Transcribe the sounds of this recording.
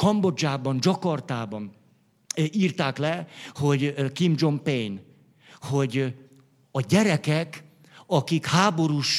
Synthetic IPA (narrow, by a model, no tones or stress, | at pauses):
kɒmbo̞d͡ʒaːbɒnd͡ʒɒkɒrt̪aːbɒn | iːrt̪aːklɛho̞ɟkimd͡ʒo̞mpejn | ho̞ɟ | ɒɟɛɾɛkɛk | ɒkikhaːbo̞ɾuːʃ